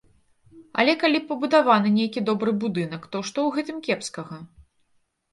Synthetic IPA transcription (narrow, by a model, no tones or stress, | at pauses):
ɐ̰lʲɛkalʲipɐbud̪avanɨnʲejkʲid̪ɔbɾɨbud̪ɨnɐkt̪ɔʂt̪ɔwɣɛt̪ɨmkʲɛpskɐɣɐ